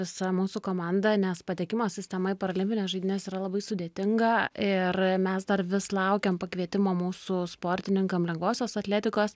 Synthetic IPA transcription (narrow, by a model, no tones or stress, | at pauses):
ʋʲɪsɐmuːsuːkoːmɑnd̪ɐnʲɛspɐt̪ʲeɛkʲɪmoːsʲɪsʲt̪ʲɛmɐɪpɐɾɐlʲɪmʲpʲɪnʲeːsʒɐɪd̪ʲɪnʲɛːsiːɾɐlˠɐbɐɪsʊd̪ʲeɛt̪ʲɪŋɡɐɪrmʲɛsd̪ɐrʋʲɪslˠɐʊkʲɛmpɐkʋʲiɛt̪ʲɪmoːmuːsuspoːɾʲt̪ʲɪnʲɪŋkɐmlʲɛŋɡʋoːsʲoːsɐt̪ʲlʲæːt̪ʲɪkoːs